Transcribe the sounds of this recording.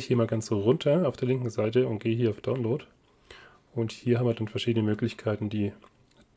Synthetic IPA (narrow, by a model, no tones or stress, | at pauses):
ɪçhiːɐmaːlɡansz̥oʁʊntʰɐaʊfd̥eːɐlɪŋkŋ̩zaɪtəʊnt̚ɡ̥eːəɦiːɐaʊfd̥aʊnloːt | ʔʊnthiːɐhaːmviɐdanfɛɐʃiːdənəmøːklɪçkʰaɪtn̩d̥iː